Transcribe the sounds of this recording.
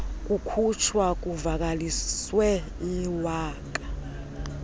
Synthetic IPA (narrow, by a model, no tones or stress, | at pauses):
k̬ʼukʰut͡ʃʰwak̬ʼuvak̬aliswɛ | iwaːk̬ʼḁ